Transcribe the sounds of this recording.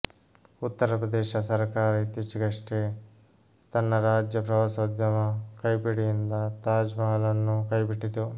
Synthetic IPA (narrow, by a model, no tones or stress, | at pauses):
ut̪ːɐɾɐpɾɐd̪ɛːʃɐsɐɾkaːɾɐit̪jɐt͡ʃɐɡɐʂʈe | t̪ɐnːɐɾaːd͡ʒjɐpɾɐʋaːsɐd̪jɐmɐkɐjpiɽijind̪ɐt̪aːd͡ʒmɐɦɐlɐnːukɐjbiʈːit̪u